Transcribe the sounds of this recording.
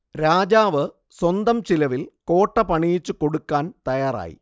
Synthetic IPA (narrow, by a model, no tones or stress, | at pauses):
ɾaːd͡ʑaːʋɨ | swɐnd̪ɐmt͡ɕilɐʋilko̞ːʈːɐpɐɳijit͡ɕːuko̞ɽukːaːnt̪ɐjaːra̰ːjḭ